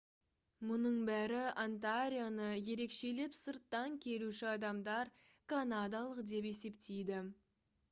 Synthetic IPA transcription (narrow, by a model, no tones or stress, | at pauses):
mʊnəɴbæɾɪant̪aɾʲijanəje̞ɾe̞kʃe̞lepsəɾt̪ːɑŋkʲʰe̞luʃɪɑd̪ɑmd̪ɑɾ | kʰanad̪alˠəqd̪e̞p̬e̞se̞pt̪ejd̪ɪ